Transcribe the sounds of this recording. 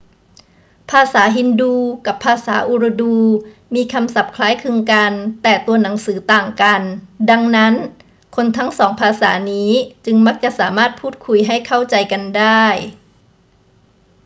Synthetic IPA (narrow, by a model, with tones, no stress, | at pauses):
pʰaː˧saː˩˦ɦi˧˥nduː˧ka˧˩pʰːaː˧saː˩˦ʔu˧ɾa˧duː˧miː˧˥kʰa˧msa˧˩p̚kʰlaː˧˥jkʰɯ˧ŋka˧nt̪ɛː˧˩t̪u˧ɐna˨˩˦ŋsɯː˩˦t̪aː˨˩ŋka˨nda˧ŋna˦˥n | kʰo˧nt̪ʰa˦˥ŋsɔː˩˦ŋpʰaː˧sa̰ː˩˦niː˦˥t͡ɕɯ˧ŋma˦˥k̚t͡ɕa˧˦ʔsaː˩˦maː˧˥˩t̪̚pʰuː˥˩t̪̚kʰu˧˩jɦa˧˥˩jkʰa˥˩wt͡ɕa˨jka˨nda˥˩j